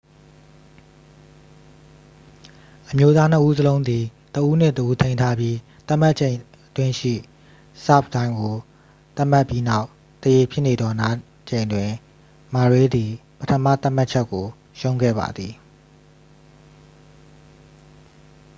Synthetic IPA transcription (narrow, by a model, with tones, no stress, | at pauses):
ʔəmjo˦t̪a˦n̥əʔu˦zəlõ˦ʊ̃nd̪i˨ | t̪əʔu˦n̥ɪ̰̃˦˨təʔu˦t̪ʰẽ˦ɪ̃ntʰa˦bji˦ | t̪a˦ʔma˦ʔt͡ɕʰẽ˨ɪ̃ | ətwɪ̃˦ʃḭ˦˨ | sa̰˦˨p̚tã˦ɪ̃ŋɡo˨ | t̪a˦ma˦˨pji˦na˦ʊ | t̪əje˨pʰjɪ˦ʔne˨d̪ɔ˨na˦ | t͡ɕẽ˨ɪ̃ndwɪ̃˨ | ma˨ɹe˦d̪i˨pətʰə˦mä̰˦˨t̪a˦m̥a˦t̚t͡ɕʰɛ˦kːo˨ | ʃõ˦ʊ̃ŋɡɛ̰˦˨ba̰˨d̪ði˨